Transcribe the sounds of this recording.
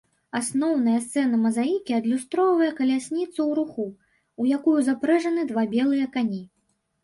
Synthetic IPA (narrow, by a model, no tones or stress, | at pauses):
asnɔwn̪ɐjɐst̪sɛnɐmɐzajikʲiɐd̪lʲust̪ɾɔvɐjɐkɐlʲasʲnʲit̪sɐwɾuxu | ujakujuzapɾɛʐɐnɨd̪vabʲɛlˠɨjɐkanʲi